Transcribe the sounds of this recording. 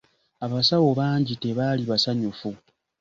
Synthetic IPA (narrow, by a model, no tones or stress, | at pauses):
aβasawo̞βaːɲɟiteβaːliβasaɲufu